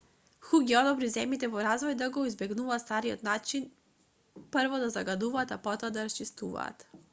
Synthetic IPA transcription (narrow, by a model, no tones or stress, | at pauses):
xuɡiɔd̪ɔbɾizɛmjit̪ɛvɔɾazvɔjd̪aɡɔizbɛɡnuvast̪aɾiɔ̰t̪nat͡ʃin | pərvɔd̪azaɡad̪uvaːt̪apɔt̪ɔad̪aɾast͡ʃist̪uva̰ːt̪